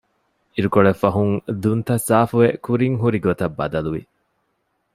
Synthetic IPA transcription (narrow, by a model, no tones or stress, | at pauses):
iɾukoɭefɐɦuŋd̪unt̪ɐsaːfuʋekuɾiŋɦuɾiɡot̪ɐbːɐ̰d̪ɐluʋḭ